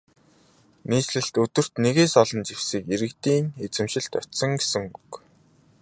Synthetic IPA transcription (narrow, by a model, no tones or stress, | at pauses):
niːsɮɘ̆ɬt̪ɵt̪ɵ̆r̥t̪neɣeːsɔɮɞ̆nt͡ɕiwsiːkeɾɘ̆kt̪iːŋet͡sɘ̆mʃɪ̆ɬt̪œ̰t̪sɞ̆ŋɡesɘ̆ŋuk